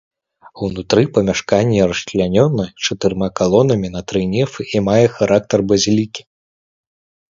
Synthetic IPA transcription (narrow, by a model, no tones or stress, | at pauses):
uwnut̪ɾɨpɐmʲaʂkanʲːɛrɐʃʲlʲanʲɔnːɐt͡ʂɐt̪ɨrmakalˠɔnɐmʲin̪ɐt̪ɾɨnʲɛfɨʔimajɛxaɾak̚t̪ɐrbɐzʲilʲikʲi̥